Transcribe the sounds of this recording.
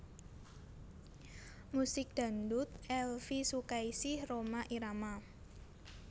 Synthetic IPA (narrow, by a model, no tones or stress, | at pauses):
musɪk̚d̪̥a̤nd̪ut̪̚ɛlfisukaisɪhromaʔiɾama